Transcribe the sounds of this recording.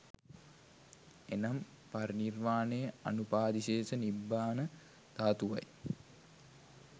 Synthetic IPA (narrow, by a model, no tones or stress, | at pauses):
enam | parnirmaːnejəa̰nupaːd̪iɕeːsənibːaːnə | t̪aːt̪uʋa̰j